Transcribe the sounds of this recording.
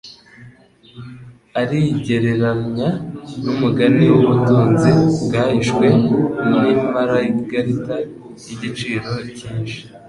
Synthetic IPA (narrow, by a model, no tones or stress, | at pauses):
aɾiɟe̞ɾe̞ɾanɲanumuɡaniwuβutuːnziɡaiʃɡwe̞nimaɾaiβiɡaɾita | iɟit͡ʃiːɾo̞ciːnʃi̥